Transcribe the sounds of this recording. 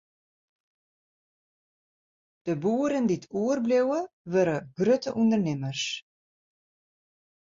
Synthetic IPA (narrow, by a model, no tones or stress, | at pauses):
d̥əbuəɾənditʰuərblewəʋøɾəɡ̥røtəʔundərnɪmərs